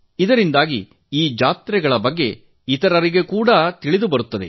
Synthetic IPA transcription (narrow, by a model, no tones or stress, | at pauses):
id̪ɐɾind̪aːɡi | iːd͡ʒaːt̪ɾɛɡɐɭɐbɐɡːe̞ | it̪ɐɾɐɾiɡe̞kuːɽɐt̪iɭid̪ubɐɾut̪ːɐd̪e̞̰